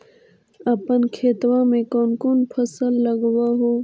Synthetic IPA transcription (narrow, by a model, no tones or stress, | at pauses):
ɐpənkʰeːt̪wãmẽkoːnkunpʰɐsəlːɐɡwaɦoː